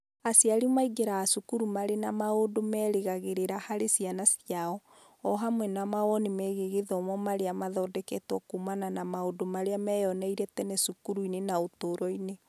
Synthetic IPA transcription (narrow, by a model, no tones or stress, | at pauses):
asiaɾimaiɡeɾaːsukuɾumaɾenamaodomɛːɾeɣaɣeɾeɾahaɾesianasiaɔ | ɔɦamwɛnamaɣɔnimɛɣeɣeðɔmɔmaɾeamaðɔdɛkɛtwɔkumananamaodomaɾeamɛjɔnɛiɾɛtɛnɛsukuɾuinenaotoɾɔine